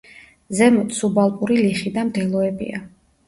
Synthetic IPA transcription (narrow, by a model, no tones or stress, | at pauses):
zɛmɔt̪subalˠpʼuɾiliχid̪amd̪ɛlˠɔɛbḭa̰